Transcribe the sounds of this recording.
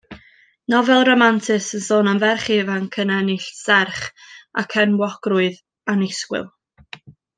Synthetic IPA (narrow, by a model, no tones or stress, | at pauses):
nɔvɛlˠromantʰɪsənsoːnamvɛrχɪvankʰənɛnɪɬsɛrχʔa̰kʰɛnwɔɡ̥rʊɨð | anɪskwɪ̰lˠ